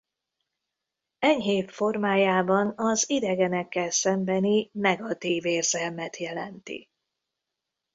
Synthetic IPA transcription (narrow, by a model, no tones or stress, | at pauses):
ɛɲɦeːt̪fo̞rmaːjaːbɒnɒzid̪ɛɡɛnɛkːɛlsɛmbɛninɛɡɒt̪iːveːrzɛlmɛt̪jɛlɛnt̪ḭ